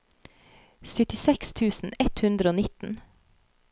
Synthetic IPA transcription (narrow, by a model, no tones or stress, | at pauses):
sʏt̪ɪsɛkst̪ʰʉːsn̩ɛt̪hʉnd̪ɾəoːnɪt̪n̩